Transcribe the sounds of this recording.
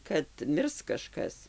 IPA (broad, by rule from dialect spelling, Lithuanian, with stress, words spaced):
kɐt ˈmʲɪrs kɐˈʃkɐs